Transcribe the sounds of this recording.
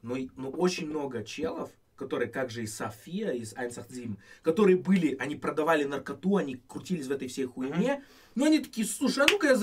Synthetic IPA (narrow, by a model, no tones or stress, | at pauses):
nonoʔo̞t͡ɕɪnʲmno̞ɡət͡ɕelˠəf | kɐt̪o̞ɾɨjəkaɡʐɨɪsafʲijəiza̰jnsɐxd̪zʲimkɐt̪o̞ɾɨjəbɨlʲɪʔɐnʲipɾəd̪ɐvalʲɪnərkɐt̪uɐnʲikɾʊtʲilʲɪsʲvɛt̪əjfsʲejxʊɪmʲe | noɐnʲit̪ɐ̥kʲiːjəslˠuʂɨɐnukəja